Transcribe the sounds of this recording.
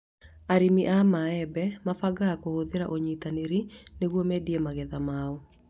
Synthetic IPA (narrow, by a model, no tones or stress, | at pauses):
aɾimiʔamaɛbɛmafaɡaːkohoðeɾaʔoɲitaneɾineɣwɔmɛdiɛmaɣɛðamaɔ